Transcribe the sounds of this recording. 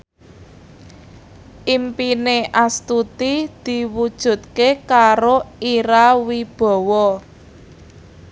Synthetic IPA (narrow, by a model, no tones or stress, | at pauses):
ʔimpineʔast̪ut̪id̪̥i̤wud̥ʒ̥ṳt̪̚kekaɾoiɾawib̥ɔ̤wɔ